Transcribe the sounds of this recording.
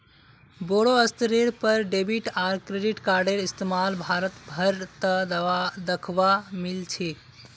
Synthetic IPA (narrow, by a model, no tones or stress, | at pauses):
boɽoəst̪ɾiɾpəɾɖebiʈaːɾkɾeɖiʈkaɾɖeɾist̪emalbʱaɾət̪bʱəɾt̪əd̪ad̪əkʰʋamilt͡ʃʰi